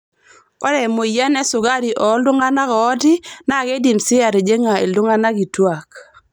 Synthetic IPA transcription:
ɔ̰˦dɛ˨mo˨ja˦nɛ˦sʊ˨ɡa˦ɾi˨ʔɔ˨˦ldʊ˦ŋa˦na˦kɔː˨˦tɪ˦na˦˨ɡe˦di˨msɪ˦a˨ɾe˨d͡ʒe˦ŋa˨ḛ˨ldʊ˦ŋa˦na˦ɡi˨twa˨k

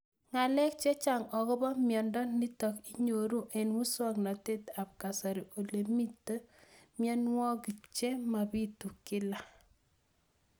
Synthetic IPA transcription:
ŋa˨lɛ˦k̚t͡ʃe˦t͡ʃa˦˨ŋɔ˨ɡɔ˦bɔ˦mjɔ˨ndɔ˦ni˦tɔ˨ki˦ɲo˨ɾu˦ʔe˨nwu˦sɔ˦˨kna˨te˦ta˨p̚ka˨sa˨ɾi˨o˨le˨mi˦tːə˦mjɛ˦nwɔ˦ɡi˨t͡ʃe˦ma˨bi˦tu˨kɪ˦la˦

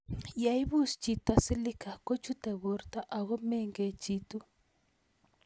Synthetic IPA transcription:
ja˨i˦βu˦st͡ʃi˨ta˨si˦li˦ka˨kɔ˦t͡ʃu˦tɛ˨βɔ˨˦ɾta˦ʔa˨ɣɔ˦mɛ˦˨ŋɡɛ˨t͡ʃi˦tu˦

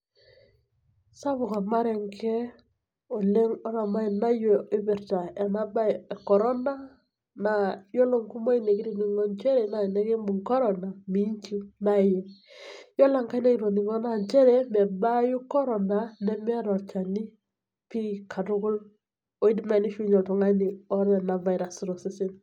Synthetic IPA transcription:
sa˦βʊ˨ka˨ma˦ɾɛ˨ŋkʰɛ˦ | o˨le˦ŋɔ˦ɾa˨ma˦i˨na˦je˨i˦bɪ˨ɾta˨ɛ˨na˦ba˦˨kɔ˨ɾɔ˦na˦ | na˨jo˦lo˦ŋku˦mo˦i˦ne˨ki˦ɾi˦ni˨ŋɔ˦nt͡ʃɛ˦ɾɛ˨na˨nɛ˦ke˦mbu˨ŋkɔ˦ɾɔ˨na˨mi˦ɲt͡ʃi˦na˦˨jɛ˨jɔ˦la˨ŋka˦jna˦i˨ɾo˨ni˨ŋɔ˦na˦˨ɲt͡ʃɛ˦ɾɛ˦mɛ˨ba˦ju˦kɔ˦ɾɔ˨na˨nɛ˦m˦a˦ɾɔ˨t͡ʃa˨ni˦ | pi˦kʰa˨tʊ˦ɡʊ˦l | ɔ˦i˦di˦ma˨ni˦ʃu˦ɲɔ˨tɔ˨ŋa˦ni˨ɔ˦ɾɛ˨na˨va˨jɾa˨sɾo˨si˦sɪ˦n

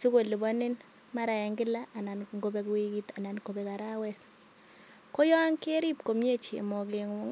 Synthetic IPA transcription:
su˦ko˨li˨bɔ˦nɪ˦n | ma˦ɾa˨a˨ŋɡɪ˦la˦a˨na˨nŋɡo˨bɛ˨ku˨wiki˦ta˨na˨nko˨bɛ˨ka˨ɾa˦wɛɾ | ko˦jɔ˦a˦ŋke˦ɾi˦p̚ko˨mɲe˦t͡ʃḛ˨mɔ˨ke˨ŋ˨˦ŋ

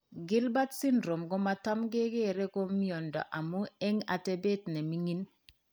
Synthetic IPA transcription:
ɡɪ˦lba˦tsi˦ndɾo˨mɡɔ˦ma˨ta˦mɡe˦ɡe˦˨ɾɛ˦kɔ˦mi˦ɔ˨ndɔ̰˨ʔa˨mu˦ɛ˦ŋa̰˨tɛ˨be˦tnɛ˨mi˦ŋi˦n

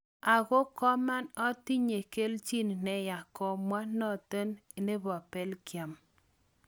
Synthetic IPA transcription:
a˨ɣo˦kɔ˦ma˦nɔ˦ti˦ɲe˨ke˦lt͡ʃi˦n˨nɛ˦ja˨kɔ˨mwa˦nɔ˦˨tə˦n˨ne˦bɔ˨pɛ˦lkja˨m

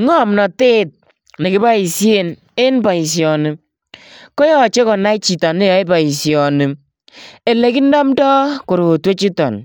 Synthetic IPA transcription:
ŋɔ˦˨mnɔ˨te˦˨t̚ | ne˨kɪ˦ba˦i˨sje˨n | e˦nba˨i˨s̬jɔ˨nɪ˨ | kɔ˦jɔ˦˨t͡ʃe˦kɔ˨na˦t͡ʃi˨ta˨ne˦jɔ˨˦i˦ba˨i˨sjɔ˨nɪ˨ | e˨le˨˦ki˦n˦da˦mdɔ˦ko˨ɾo˨twe˦t͡ʃi˦tɔ̰˨n

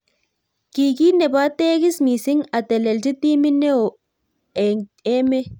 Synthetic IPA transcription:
ki˨ki˦ne˨ba˦t̪e˦ɡi˦smi˨si˦ŋa˨t̪e˨le˨ld͡ʒi˦t̪i˦mi˦ne˦o˨ | e˨ŋe˦me˦

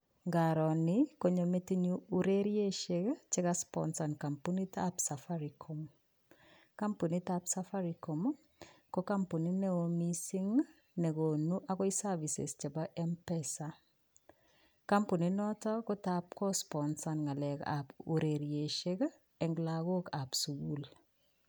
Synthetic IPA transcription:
ŋɡa˨ɾɔ˨nɪ˦ko˦ɲo˨me˦ti˦ɲu˦uɾe˦ɾje˦ʃe˦kt͡ʃɪ˦ka˦spɔ̰nsa˨nka˨mpu˦ni˦tapsa˨fa˦ɾikʰo˨m | ka˦mpu˨ni˦ta˦psa˦fa˦ɾi˨ko˨m˦ | ko˦ka˦mpu˨ni˦ne˦wo˦mi˦si˦ŋ | nɛ˨ko˨nu˦ʔa˦kɔ˦i˦sa˦vi˨sḛ˨st͡ʃa˨baʔɛ˦mpɛsa˦ | ka˦mpu˨ni˨nɔ˦tɔ˦kɔ˦tap̚kɔ˦spɔnsa˨nŋa˨lɛ˨ka̰˨pu˨ɾe˨ɾie˨ʃe˦k | ɛ˨ŋɡlako˦ka˨psu˨ɡu˦l

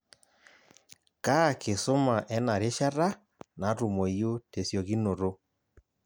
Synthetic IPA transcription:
ka˦˨ke˨so˦ma˨ʔɛ˦na˨ɾe˦ʃa˦ɾa˦ | na˨˦ɾu˨mo˨jo˦te˨sjɔ˨ɣi˦no˨ɾo˦

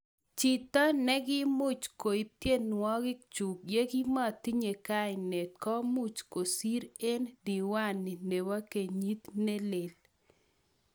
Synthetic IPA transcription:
t͡ʃi˨t̪ɔ˦nɛ˦ɡɪ˦mʊ˦˨t͡ʃko˨i˨p̚t̪je˦nwɔ˦ɡɪ˦k̚t͡ʃu˨kje˦ɡi˦ma˦˨t̪i˦ɲe˨ka˦ɪ˨ne˨t̪̚kɔ˦mʊ˦˨t͡ʃko˨si˦ɾe˦ndi˨wa˦˨nɪ˨ne˨wa˦ke˨ɲi˦t̪ne˦le˨l

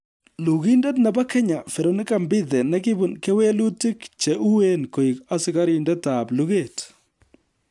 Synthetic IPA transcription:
lu˨ɣi˦ndɛ˦tna˨ba˦kɛ˦ɲa˨fɛ˨ɾo˨nɪ˦ka˨mbɪ˦ðɛ˨nɛ˦kɪ˦bʊ˨nkɛ˦we˦lu˦tɪ˦kt͡ʃe˨ʔu˦we˦nko˨i˨ka˦sɪ˦ka˦ɾindɛ˦ta˨blu˦ɣe˨t

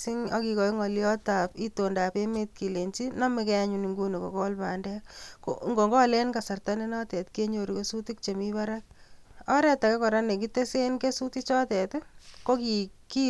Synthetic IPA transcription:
i˦ŋɔ˦ki˨kɔ˨i˦ŋɔ˨ljɔ˦ta˨pi˦to˨nda˨pe˦me˦t̚ki˨le˨nt͡ʃi˦nɔ˦me˦kɛ˦a˦ɲuni˨ŋɡu˦ni˨ko̰˨ko˦lpa˨ndɛ˦ko̰ŋɡo˨ŋɡɔ˦lɛ˦nka˨sa˨rta˦ne˦nɔ˦tɛ˨tke˦ɲo˨ɾi˨ke˦su˦ti˦k̚t͡ʃe˨mi˦βa˦ɾa˦k̚ɔ˦ɾɛ˦ta˨kɛ˦kɔ˨ɾa˦ne˨k̬i˦te˦se˦nke˦su˦ti˦t͡ʃɔ˦tɛ˨tko˦kiki˦

